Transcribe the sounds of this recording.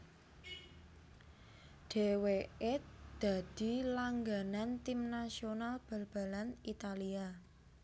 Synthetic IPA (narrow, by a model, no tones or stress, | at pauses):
ɖ̥e̤weed̪̥a̤d̪̥i̤laŋɡanant̪imnasionalb̥ə̤lb̥a̤lanit̪alia